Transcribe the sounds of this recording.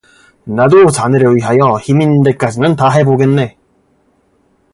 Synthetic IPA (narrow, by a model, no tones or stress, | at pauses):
nadot͡ɕanɯɾeɥiɦajʌçiminde̞k͈ad͡ʑinɯntaɦe̞boɡe̞nːe̞